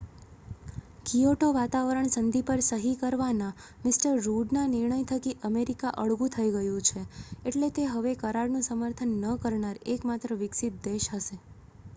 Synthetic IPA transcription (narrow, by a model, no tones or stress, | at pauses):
kioʈoʋat̪aʋəɾəɳsənd̪ʱipəɾsəɦikəɾʋana | mɪsʈəɾːuɖnanɪɾɳəjt̪ʰəkiʔəmeɾikaʔəɭɡũt̪ʰəiɡəjũt͡ʃʰeeʈlet̪eɦəʋekəɾaɽnũsəməɾt̪ʰənːəkəɾɳaɾekmat̪ɾəʋɪksɪt̪̚d̪eʃɦəʃe